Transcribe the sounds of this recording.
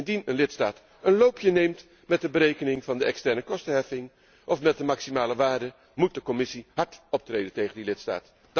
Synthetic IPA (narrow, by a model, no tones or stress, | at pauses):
ɪndinənlɪtstaːt | ənlowpʰjənejmt | mɛt̚dəbəɾejkənɪŋvɑndəʔɛkstɛɹnəkɔstəɦɛfɪŋ | ʔɔfmɛt̚dəmaksimaːləʋaːɹdə | mut̚dəkɔmɪsiɦɑɹtɔp̚trejdəntejχəndilɪtsta̰ːt